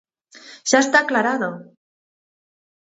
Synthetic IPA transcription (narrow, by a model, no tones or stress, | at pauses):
saest̪aklaɾaðo